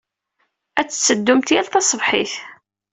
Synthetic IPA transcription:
æt͡sːə̥t͡sːəd̪ːʊmt̪jælθɑsˤəvħiθ

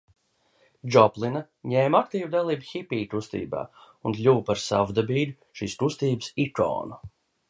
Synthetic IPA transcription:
d͡ʒɔplˠina | ɲeːmakt̪iːvd̪alˠiːbxʲipiːt̪ust̪ḭːba̰ː | unlʲuwpaɾsa̰vud̪abiːlʲu | ʃiːst̪ust̪iːbəsikɔ̰ːnu

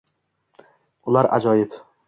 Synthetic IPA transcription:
ʊlaɾa̰d͡ʒɒjɪp

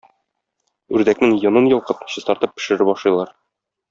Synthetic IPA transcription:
ʉɾd̪æknɘŋjŏnɤnjɤ̆lˠqɤt̪ɕɤ̆st̪ɒɾt̪ɤpːɘ̥̆ʃɘ̆ɾɘbɒʃlˠɤjlˠɑɾ

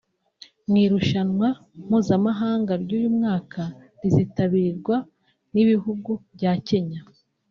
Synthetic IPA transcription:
mŋiːɾuʃanwa | m̥huːzamaɦaːŋɡaɾɟuːjumŋaːkʰa | ɾizitaβiɾiɾɡwa | niβiɦuɡubɟace̞ɲa

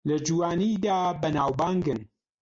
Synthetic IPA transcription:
lɐd͡ʒuwaːnid̪aːbɐnaːwbaːŋɡɨn

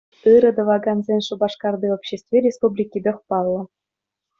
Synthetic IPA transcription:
ɯɾɤ̆d̪ɤ̆ʋɑɡɑnzʲenʲʂɤ̆bɑʂkɑrd̪iopɕesʲt̪ʲvʲeɾʲespublʲikʲːid̪ɤ̆χpɑlˠːɤ̆

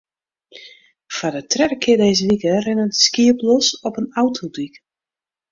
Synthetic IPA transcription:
fadətrɛɾəkʰɪədɛjzəʋikərɪnətskiəplɔsɔpənawtʰodik

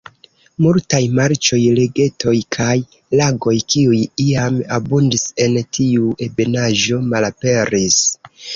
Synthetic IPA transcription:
multajmaɾt͡ʃo̞jle̞ɡe̞to̞jkʰaj | laɡo̞jkiujiamabundise̞ntʰiuʔe̞be̞naʒo̞malape̞ɾis

